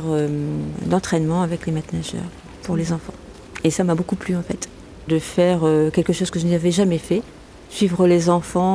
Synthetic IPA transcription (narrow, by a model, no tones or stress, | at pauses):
ʁød̪ɑ̃t̪χɛnmɑ̃avɛklemat̪naʒœ̰ːʁ | pʰuʁlezɑ̃fɑ̃ | esamabokuplyɑ̃fɛt̪ | d̪əfɛʁøkʲɛlkəʃozkəʒənavɛʒamɛfɛ | sɥivʁəlezɑ̃fɑ̃